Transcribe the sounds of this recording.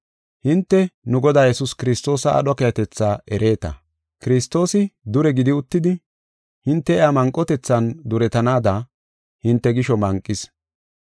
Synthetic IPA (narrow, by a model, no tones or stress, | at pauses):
hɪnt̪ːɛnʊɡɔd̪aːjɛsʊskɪɾɪst̪o̞ːsɐ̰ːɗɐkɛjɐt̪ɛt͡sːaːɛɾʔe̞ːt̪ɐ̰ | kɪɾɪst̪o̞ːsɪd̪ʊɾɛɡɪd̪ɪʊt̪ːɪd̪ɪ | hɪnt̪ːɛɛamɐŋkʼːɔt̪ɛt͡sːɐnd̪ʊɾɛt̪ɐnaːd̪ɐ | hɪnt̪ːɛɡɪʃɔmɐŋkʼːɪs